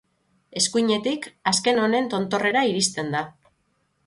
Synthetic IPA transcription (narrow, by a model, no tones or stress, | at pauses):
e̞skujɲe̞t̪ikaske̞no̞ne̞nt̪o̞nt̪o̞re̞ɾaiɾist̪e̞nd̪a